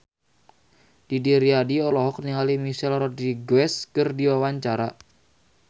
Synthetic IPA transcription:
d̥idiɾiadiɔlɔɦɔkəniŋalimisɛlrɔdiɡwɛskərdiwawaɲt͡ʃaɾa

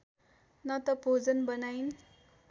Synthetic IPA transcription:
nʌt̪ʌbʱod͡zʌnbʌnajn

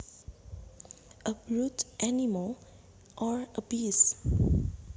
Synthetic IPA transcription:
əbɹutʔæniməl | ʔɔɹəpiːs

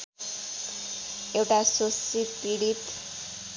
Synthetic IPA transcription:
ewʈasosit̪iɽit̪

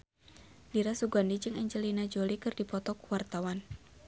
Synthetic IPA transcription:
diɾasuɡandid͡ʒɨŋɛɲd͡ʒəlinad͡ʒolikɨrdipɔt̪ɔkuwart̪awan

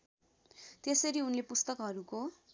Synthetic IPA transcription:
t̪esʌɾiunlepust̪ʌkɦʌɾuko

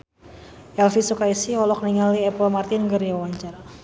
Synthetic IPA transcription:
ʔɛlfisukaisihɔlɔk̚niŋaliɛpɔlmart̪ɪnɡəriawaɲt͡ʃara

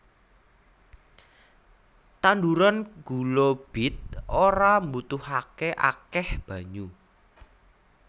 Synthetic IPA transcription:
t̪anduɾanɡ̥ulob̥ɪt̪̚oɾambut̪ʊhakeʔa̰kɛhb̥ä̤ɲu

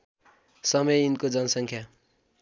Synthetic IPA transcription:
sʌmʌjinkod͡zʌnʌsʌŋkʰja

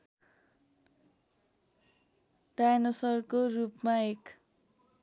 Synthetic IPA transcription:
ɖajnʌsʌrkorupmaek

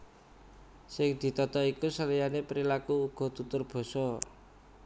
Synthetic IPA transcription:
sɪŋd̪̥i̤t̪ɔt̪ɔikusəlijanepɾilakuːɡ̥ɔ̤t̪ut̪ʊrb̥ɔ̤sɔ

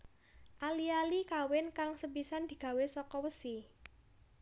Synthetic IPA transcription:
ʔalialikawɪnkaŋsəpisand̪̥i̤ɡ̥ä̤wesɔkɔwəsi

